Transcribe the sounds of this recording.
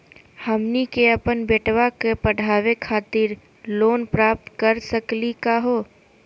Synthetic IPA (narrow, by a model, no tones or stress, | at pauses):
həmnikeɐpənbeːʈwakepəɽ̤ʱaːwekʰaːt̪ɪɾ | loːnpɾaːp̚t̪kəɾsəklikaɦoː